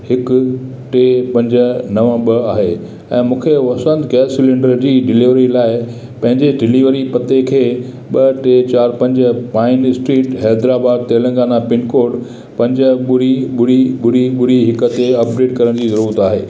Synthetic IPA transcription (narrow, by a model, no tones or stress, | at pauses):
hɪkʊ | ʈeːpɐ̃ɲd͡ʑə̆nɐʋə̃ɓɐaːɦeː | ɛ̃ːmũːkʰeɐsə̃nd̪ɡɛːsːɪlɪ̃ɳɖəɾd͡ʑiːɖɪliʋɾilaːɪ | pɐ̃ɦɪ̃ɲd͡ʑeɖɪliʋəɾipɐt̪ekʰeː | ɓɐʈeːt͡ɕaːɾpɐ̃ɲd͡ʑəpaːɪnɪsʈɾiːʈɦɛːd̪ɾaːbaːd̪̚t̪eːlə̃ŋɡaːnapɪnkoːɖ | pɐ̃ɲd͡ʑəɓʊɾiɓʊɽiɓʊɾiɓʊɽiɦɪkə̆t̪eɐp̚ɖeːʈkɐɾəɽ̃d͡ʑiːzɐɾuːɾət̪aːɦeː